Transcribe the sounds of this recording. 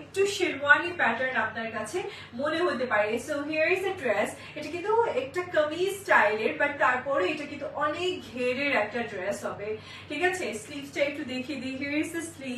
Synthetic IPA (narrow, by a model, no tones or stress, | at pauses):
ek̚ʈuʃiɾmanipɛʈəɾnap̚naɾkat͡ɕʰe | moneɦot̪epaɾesoɦiəɾizd̪əɖɾɛs | eʈakint̪uɛk̚ʈakəmisʈajleɾbaʈt̪aɾpɔɾeeʈakint̪uʔɔnek̚ɡʱeɾeɾɛk̚ʈaɖɾɛsɦɔbe | ʈʰikat͡ɕʰeslipʈaek̚ʈud̪ekʰied̪iɦiəɾizd̪əsli